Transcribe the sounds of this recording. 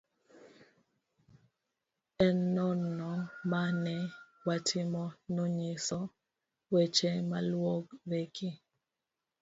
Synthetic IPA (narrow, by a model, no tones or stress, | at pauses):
ɛnːɔnɔmanɛwatʰɪmɔnɔɲɪsɔ | wet͡ʃemalwoɡɾekʰi